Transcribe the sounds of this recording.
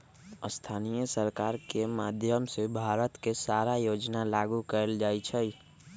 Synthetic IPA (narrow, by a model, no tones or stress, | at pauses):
əst̪ʰaːnijəsəɾkaːɾkemaːd̪ʱjəmsebʱaːɾət̪kesaːɾajoːd͡ʒnalaːɡukəɾəld͡ʒaːit͡ʃʰɛ